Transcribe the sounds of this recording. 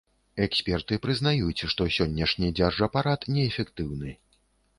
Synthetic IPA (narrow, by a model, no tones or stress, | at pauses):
ɛksʲpʲɛrt̪ɨpɾɨznajut͡sʲʂt̪ɔsʲɔnʲːɐʂnʲid͡zʲarʐɐpaɾat̪nʲɛːfʲɛkt̪ɨwnɨ